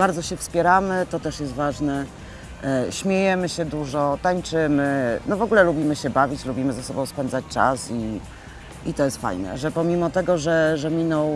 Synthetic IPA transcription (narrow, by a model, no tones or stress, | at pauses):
baɾd̪zɔɕɛfspʲjɛɾamɘt̪ɔt̪ɛʂjɛst̪vaʐnɛ | ɕmʲjejɛmɘɕɛd̪uʐɔt̪aɲt͡ʂɘmɘnɔvɔɡulɛlubʲimɘɕɛbavʲit͡ɕlubʲimɘzasɔbɔ̃w̃spɛnd̪zat͡ɕʲt͡ʂa̰si | it̪ɔjɛst̪fa̰jnɛ̰ʐɛpɔmʲimɔt̪ɛɡɔʐɛʐɛmʲinɔ̃w